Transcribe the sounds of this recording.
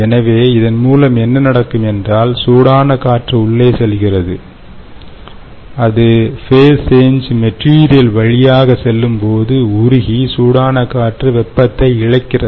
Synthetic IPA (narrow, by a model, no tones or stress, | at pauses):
ɛnɐʋeːɪðɐnmuːlɐmɛnːɐnɐɽɐkːɯmɛndraːlsuːɽaːnɐkaːʈrɯʊɭːeːsɛlɣɪrɐðɯ | ɐðɯfeːseːnd͡ʒmɛʈriːɾɪjɐlʋɐɻɪjaːɣɐsɛlːɯmpoːðɯʊɾʊɣisuːɽaːnɐkaːʈrɯʋɛpːɐt̪ːɐɪɪɻɐɪkːɪrɐ